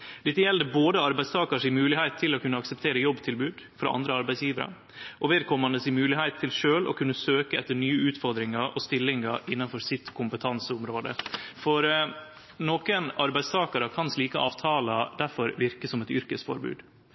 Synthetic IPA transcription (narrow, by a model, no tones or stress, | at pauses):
d̪̥ɛt̪ːəjɛld̪əboːd̪əɑɾbæɪst̪ʰɑːkɑʂɪmʉːlɪhæɪt̪ʰːɪlɔkʉnːəɑksɛp̚t̪ʰeːɾəjɔbːt̪ʰɪlbʉːd̪fɾɑ̰ʔɑ̰nd̪ɾəɑɾbæɪsjiːʋəɾɑ̰ | ʔɔʋeːd̪̚kʰɔmɑnd̪əsɪmʉːlɪhæɪt̪ʰːɪlʂøːlɔ̰kʰʉnːəsøːkəɛt̪ːəɳyːəʉːt̪fɔɾd̪ɾɪŋɑɾʔɔst̪ɪlːɪŋɑɾʔɪnːɑnfɔɾsɪt̪kʰʊmpət̪ʰɑnsəʊmɾoːd̪ə̰fɔɾ | noːkənɑɾbæɪd̪st̪ʰɑːkɑɾəkʰɑnsliːkəʔɑːʋt̪ʰɑːlɑd̪æfɔɾʋɪɾkəsɔmɛt̪ʏɾkəsfɔ̰ɾbʉ̰ːd̪